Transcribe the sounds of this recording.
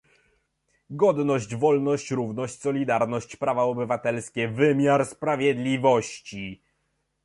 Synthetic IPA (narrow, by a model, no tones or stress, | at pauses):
ɡɔd̪nɔɕt͡ɕvɔlnɔɕt͡ɕɾuvnɔɕt͡ɕsɔlʲid̪aɾnɔɕt͡ɕpɾavaɔbɘvat̪ɛlskʲɛvɘmʲjaɾspɾavʲjɛd̪lʲivɔɕt͡ɕi